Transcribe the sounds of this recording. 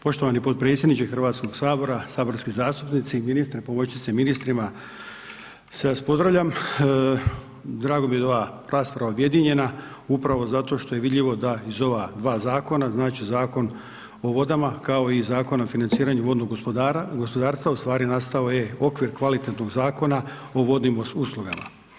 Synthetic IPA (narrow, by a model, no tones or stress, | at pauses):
po̞ʃt̪o̞ʋanipot̪̚pɾet̪sʲjed̪nit͡ʃexr̩ʋaːt̪sko̞ɡ̥saːbo̞ɾasaːbo̞ɾskizaːst̪upnit̪siminist̪ɾipo̞mot͡ʃit̪seminist̪ɾima | sespo̞d̪ɾavʋʎʲam | d̪ɾaːɡo̞mijeo̞ʋa | ɾaːspɾaaʋaubje̞d̪iɲe̞na | upɾaʋo̞zat̪o̞ʃt̪o̞je̞ʋid̪ʎʲiʋo̞d̪aizo̞ʋad̪ʋaːzaːko̞naznaːt͡ʃizaːko̞n | o̞ʋo̞d̪amakao̞izaːko̞naofinant̪siːɾaɲuʋo̞d̪no̞ɡɡospo̞d̪aːɾst̪ʋaust̪ʋaːɾinast̪ao̞je̞o̞kʋiɾkʋalit̪et̪no̞ɡzaːko̞nao̞ʋo̞d̪nimosuslˠuɡama̰